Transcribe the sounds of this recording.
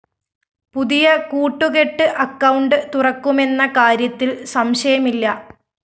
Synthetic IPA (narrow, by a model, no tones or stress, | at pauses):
puðijɐkuːʈːuɣe̞ʈːɨʔɐkːɐwɳɖɨt̪urɐkːume̞nːɐkaːɾjɐt̪ːilsɐmɕɐjɐmilːɐ